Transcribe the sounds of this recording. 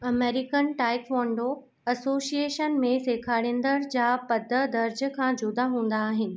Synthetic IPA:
ɐmeːɾɪkənʈaːɪkʋɔ̃ːɳɖo | ɐsoːsieːʃənmẽseːkʰaːɽɪ̃nd̪əɾd͡ʑaːpɐd̪ʱəd̪ɐɾd͡ʑ̆kʰãːd͡ʑʊd̪aɦũːn̆d̪aːɦɪnɪ̆

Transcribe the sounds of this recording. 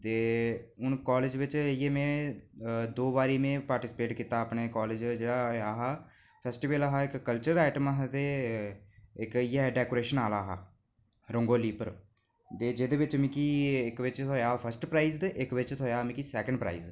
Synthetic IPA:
t̪eːʊnkaːleːd͡ʒʋɪt͡ʃijeːmẽː | d̪oːbaːɾiːmẽːpaːɾʈɪsɪ̥peːʈkiːt̪aːəpneːkɔːled͡ʒd͡ʒeːɽaːaːɦaː | pʰɛːsʈiːʋəlaɦaːɪkːəlt͡ʃəɾaːʈəmaɦt̪eː | ɪkiɦɛɖɛːkoːɾeːʃənaːlaːɦaː | ɾʊŋɡoːliːpəɾ | t̪eːd͡ʒeːd̪eːʋɪt͡ʃmĩːkiːɪkʋɪt͡ʃt̪ʰoːjaːpʰəɾsʈpɾaːizd̪ʔɪkʋɪt͡ʃt̪ʰoːjaːmĩkisɛːkə̃ɳɖpɾa̰ːḭːz

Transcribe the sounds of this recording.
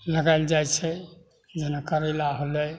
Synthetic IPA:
ləɡajld͡ʒajt͡ʃʰɛ | d͡ʒənəkəɾelaɦolɛ

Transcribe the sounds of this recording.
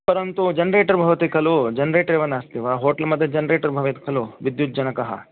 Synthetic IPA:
pɐɾɐnt̪ud͡ʒɐnɾeːʈɐɾbʱɐʋɐt̪ikʰɐlud͡ʒɐnɾeːʈɐɾeːʋɐnaːst̪iʋaːɦoːʈɐlmɐd̪ʱjɐd͡ʒɐnɾeːʈɐɾbʱɐʋɐt̪i̥kʰɐluʋid̪jut̪̚ːd͡ʒɐnɐkɐɦɐ̰

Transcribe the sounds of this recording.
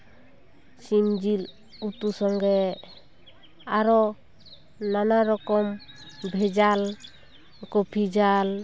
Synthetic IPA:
sind͡ʒil | ut̪usɔŋɡɛ | aɾɔ | nanaɾɔkɔm | bʱɛd͡ʒal | kɔpʰid͡ʒal

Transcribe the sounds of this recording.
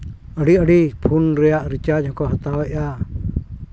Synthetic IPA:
əɽiəɖipʰunɾɛjaʔɾit͡ʃad͡ʒɦɔ̃kɔɦat̪awɛʔa

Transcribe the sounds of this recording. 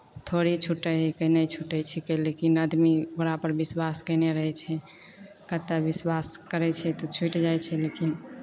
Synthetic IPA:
t̪ʰoɾit͡ʃʰuʈːəɦkənət͡ʃʰuʈət͡ʃʰɛkɛlekinəd̪mibəɾapəɾbiswaskəɪneɾəɦɛt͡ʃʰɛ | kət̪ːabiswaskəɾɛt͡ʃʰɛt̪ɔt͡ʃʰuʈd͡ʒajt͡ʃʰɛlekin

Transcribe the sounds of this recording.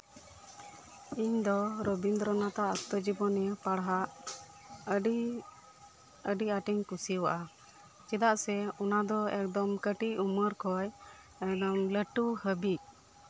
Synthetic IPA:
iɲd̪ɔɾɔbind̪ɾɔnat̪aʔəst̪ɔd͡ʒibɔnəpaɽɦaʔ | əɖiaʈɛɲkusiwa̰ʔa | d͡ʒɛd̪aʔsɛɔnad̪ɔɛk̚d̪ɔmkəʈiʔuməɾkʰɔj | ɛkd̪ɔmləʈuhəbiʔ̚

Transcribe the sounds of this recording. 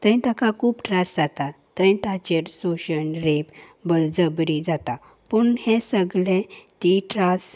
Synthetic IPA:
t̪ə̃ĩt̪akãkuːpʈɾasd͡zat̪a | t̪ːəĩt̪at͡ɕeɾsoɕənɾepbəɭd͡zəbɾid͡zat̪a | puɳhẽsəɡɭẽt̪iʈɾas

